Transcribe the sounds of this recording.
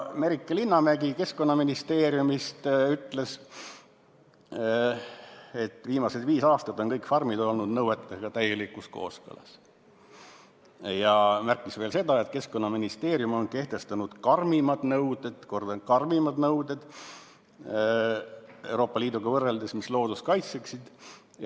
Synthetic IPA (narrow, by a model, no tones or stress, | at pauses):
me̞ɾikːˑɑlinːɑmæɡ̥ike̞sko̞nːɑminist̪e̞ːɾjumist̪yt̪ːˑle̞s | e̞t̪ːˑviːmɑsed̪viːsɑːst̪ɑt̪ˑːo̞nkɤjkˑfɑrmid̪o̞lnud̪̥nɤwet̪ːˑeɡ̥ɑt̪æjelikːˑusko̞̰ːskɤ̰lɑ̰s | jɑmærkːˑisve̞ːlse̞d̪̥ɑe̞t̪ke̞sko̞nːɑminist̪e̞ːɾjumo̞nke̞ht̪e̞st̪ɑnud̪̥kɑrmimɑd̪nɤwd̪̥e̞d̪̥ko̞rd̪̥ɑnkɑrmimɑd̪nɤwd̪ed̪̥ | e̞wɾo̞ːpˑːɑliːd̪̥uɡ̥ɑvɤrːeld̪esmislo̞ːd̪̥uskɑjt̪seksid̪̥